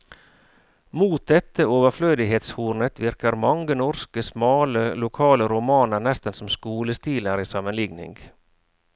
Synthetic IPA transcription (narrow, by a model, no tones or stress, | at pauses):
muːt̪̚d̪ɛt̪ʰːəoːʋəɾfløːd̪ɪɦeːt̪shuːɾnət̪ʰʋɪɾkəɾmɑŋɡənɔɾskəsmɑːləlʊkʰɑːləɾʊmɑːnəɾnɛst̪ənsɔmskuːləst̪iːləɾiːsɑmənlɪɡnɪ̰ŋɡ